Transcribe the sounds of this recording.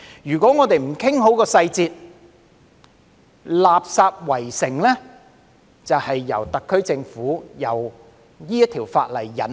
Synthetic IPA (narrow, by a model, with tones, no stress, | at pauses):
jyː˨˩kʷɔː˨˥ŋɔː˨˧t̪e˨jm̩˨˩kʰɪ˥ŋɦo˨˥wkɔː˧sɐ˧jt͡siː˨˧t̚ | laː˨p̚saː˧p̚wɐ˨˩jsɪ˨˩ŋlɛː˥ | t͡sɐ˨whɐ˨jːɐ̰˨˩wt̪ɐ˨kʰːɵ˥ɥt͡sɪ˧ŋfuː˨˥jɐ˨w | jiː˥jɐ˥t̪ʰiː˨˩wfa̰ː˧t̚lɐ˨˩jːɐ̰˨˩n